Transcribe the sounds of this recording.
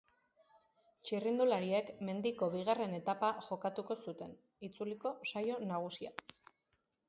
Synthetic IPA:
t͡ʃirind̪ulaɾie̞kme̞nd̪iko̞βiɣ̞are̞ne̞t̪apaʝo̞kat̪uko̞sut̪e̞n | it͡suliko̞sajo̞naɣ̞usia̰

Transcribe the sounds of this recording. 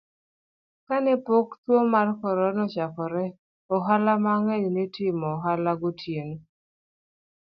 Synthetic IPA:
kanɛpokt̪womarkɔɾɔnɔt͡ʃakɔɾɛ | ɔɦalamaŋɛlnetɪmɔɦalaɡotʰjeno

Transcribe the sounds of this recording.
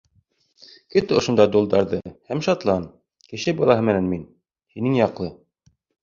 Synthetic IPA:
kɵt̪ŏʃŏnd̪ɑd̪ulˠd̪ɑɾðɤhæmʃɑt̪lˠɑn | kɘ̆ʃɘbɑlˠɑɦɤmɘ̆nænmin | hinɘŋjɑqlˠɤ

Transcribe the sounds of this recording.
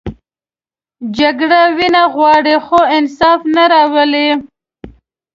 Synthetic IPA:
d͡ʒaɡɽawinaɣwɑɽixoɪnsɑfnaɾɑwəle

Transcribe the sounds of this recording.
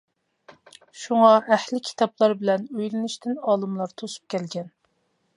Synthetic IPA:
ʃuŋɑʔæhlɪkʲʰi̥t̪ʰɑplˠɑɾbɪlɛnøjlɪnɪʃt̪ʰɪnɑːlˠɨmlˠɑɾt̪ʰosu̥p̚kʲʰɛlɡʲɛn

